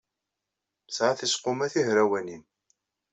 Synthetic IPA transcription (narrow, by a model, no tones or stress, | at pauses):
sʕaθisqʊmæθihɾæwænin